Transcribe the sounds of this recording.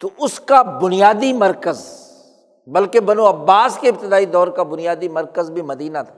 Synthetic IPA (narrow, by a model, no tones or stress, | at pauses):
t̪oʔʊskabʊnijaːd̪imɐɾkəz | bɐlkebɐnuɐbːaːskeɪb̚t̪ɪd̪aːid̪ɔːɾkabʊnijaːd̪imɐɾkəzbʱimɐd̪iːnat̪ʰḁː